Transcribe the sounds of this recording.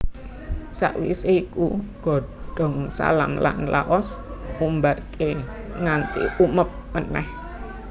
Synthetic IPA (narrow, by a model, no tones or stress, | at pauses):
sa̰ʔwḭseikuɡ̥ɔ̤ɖ̥ɔ̤ŋsa̰la̰mla̰nlaʔɔs | umbarkʰe | ŋant̪ḭuməp̚ːənɛh